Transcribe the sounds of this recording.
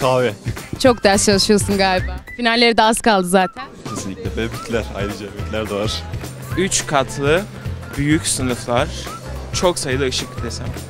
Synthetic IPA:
k̪ʰavɛt͡ʃʰo̞k̚d̪æɾst͡ʃʰalˠɯʃɯjo̞sunɡaːlʲibaːfinalʲːe̞ɾid̪ɛazkalˠd̪ɯzaːt̪ʰæn | cʰesinlʲicʲlʲɛbɛbit̪ʰlʲæɾa̰jd̪ɯd͡ʒabit̪lʲæɾd̪aaɾ̥ | yt͡ʃkʰat̪ʰlˠɯ | byjycsɯnɯflˠaɾ̥ | t͡ʃʰo̞ksajɯd̪ˠaɯʃɯkːi̥t̪ʰesæm

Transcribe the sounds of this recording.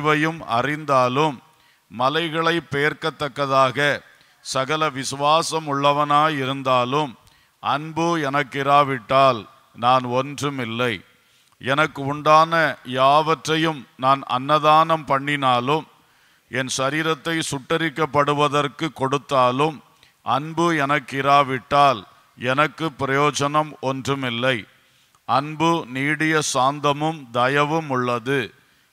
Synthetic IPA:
ʋɐjɯmɐ̰rɪnd̪aːlɯmː | ɐlɐɪɣɐɭɐɪpːejɐɾkɐt̪ːɐkːɐðaːɣɐ | sɐɣɐlɐʋɪsʊʋaːsɐmʊɭːɐʋɐnaːjɪɾɯnd̪aːlɯm | ʔɐnbɯɛnɐkːɪɾaːʋɪʈːaːl | naːnɔndrɯmɪlːɐɪ | ɛnɐkːɯʊɳɖaːnɐjaːʋɐʈrɐjɯmnaːnɐ̰nːɐðaːnɐmpɐɳːɪnaːlɯm | ɛnsɐɾiːɾɐt̪ːɐɪsʊʈːɐɾɪkːɐpːɐɽɯʋɐðɐrkɯkːɔɽɯt̪ːaːlɯm | ʔɐnbɯɛnɐkːɪɾaːʋɪʈːaːl | ɛnɐkːɯpːɪɾɐjoːd͡ʒɐnɐmɔndrɯmɪlːɐɪ | ʔɐnbɯniːɽɪjɐsaːnd̪ɐmɯmd̪ɐjɐʋɯmʊɭːɐðɯ

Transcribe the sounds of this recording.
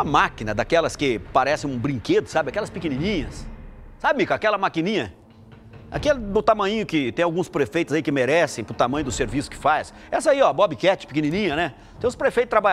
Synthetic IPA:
ɐmakinɐd̪akɛlɐskɪpaɾɛsẽj̃ũbɾĩŋked̪ʊsabɪakɛlɐspɪkenĩnĩɲɐssabɪmikakɛlɐmakĩnĩɲɐ | a̰kelɪd̪ʊt̪amɐ̃ɲĩɲʊkɪt̪ẽj̃awɡũspɾefejt̪ʊzaikɪmeɾɛsẽj̃pɾʊt̪amɐ̃jʊd̪ʊseɾvisʊ̥kɪ̥fas | ɛsɐiɔbɔbikɛt͡ʃɪ̥pɪkenĩnĩɲɐnɛ | ẽʊspɾefejt̪ʊt̪ɾaba

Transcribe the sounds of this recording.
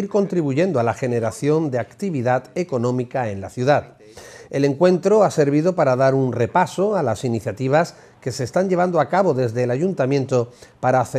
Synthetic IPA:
iɾko̞nt̪ɾiβuʝe̞nd̪oalaxe̞ne̞ɾaθjo̞nd̪e̞akt̪iβiðat̪e̞ko̞nõ̞mikae̞nlaθjuðat̪ | e̞le̞ŋkwe̞nt̪ɾo̞ase̞ɾβ̞iðo̞paɾaðaɾunre̞paso̞alasiniθjat̪iβ̞as | ke̞se̞ːst̪aɲʎe̞β̞and̪oakaβo̞ðe̞zðeːlaʝunt̪amjẽ̞nt̪o̞paɾaːθe

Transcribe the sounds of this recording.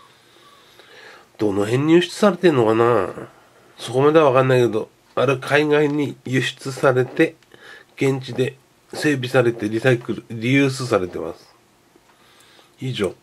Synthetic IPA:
d̪̥o̞no̞ɦẽ̞ɲ̟ːijɯ̟ɕi̥t͡sɨ̥saɾe̞t̪eɯnːo̞kana | so̞ko̞mad̪e̞aβakãnːaike̞d̪o̞ | aɾɯ̟kʰaiɡaiɲ̟ijɯ̟ɕi̥t͡sɨsaɾe̞t̪e̞ | ɡ̥ẽ̞ɲ̟t͡ɕid̪e̞ | se̞ːbʲisaɾe̞t̪e̞ɾʲisakɯɾɯɾʲijɯ̟ːs̬ɨsaɾe̞t̪e̞ma̰sɨ̥ | iːʑo̞̰ː

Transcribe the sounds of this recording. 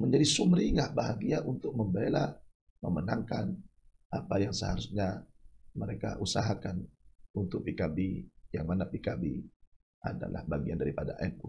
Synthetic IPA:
məɲd͡ʒadisumɾiŋahbaɦaɡiaʔunt̪ʊk̚məmbela | mə̰mənaŋkan | apajaŋsəhaɾusɲaməɾeka̰ʔusaɦakanunt̪ʊk̚pikabijaŋmanapikabḭ | a̰da̰la̰hbaɡiandaɾipada̰ʔɛn̚ku

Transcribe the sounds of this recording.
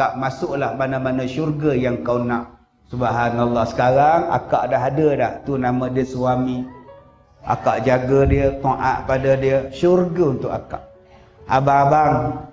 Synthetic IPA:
aʔmasʊʔlahmanamanaʃurɡəjaŋkawnaʔ | subaɦanalːahsə̥kaɾaŋa̰kaʔdaɦadədaʔt̪unamadiəsuami | a̰kaʔd͡ʒaɡədiət̪oʔa̰ʔpadədiəʃurɡəunt̪ʊka̰ka̰ʔ | ababaŋ

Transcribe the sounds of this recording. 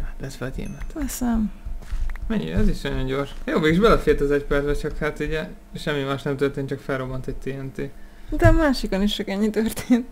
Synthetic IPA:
hat̪lɛt̪vɒdḛːmɛt̪ɛsɛm | mɛɲːḭɛziʃnɒjo̞ɲɟo̞rʃjoːmeːɡiʒbɛlɛfeːt̪ɒzɛcpɛrzbɛt͡ʃɒkhat̪uɟɛ | ʃɛmːimaːʃnɛmt̪ørt̪eːnt͡ʃɒkfɛlro̞bɒnt̪ʰec̚t̪eːɛnt̪id̪ɛɒmaːʃikoniʃt͡ʃɒkɛɲːit̪ørt̪eːnt̪

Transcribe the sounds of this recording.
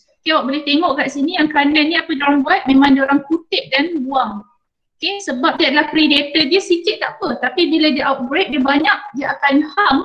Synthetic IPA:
kewaʔbolɛht̪eŋɔʔkaʔsinĩjaŋkɾanãnĩapədioɾaŋbuat̪̚mẽmãŋdaoɾaŋkut̪ɪʔ̚danbuaŋ | okesəbap̚diadalahkɾedet̪ədiəsikɪʔ̚t̪aʔpət̪apibiladiʔawt̪̚bɾet̪̚diəbaɲak̚diəʔakanhaŋ

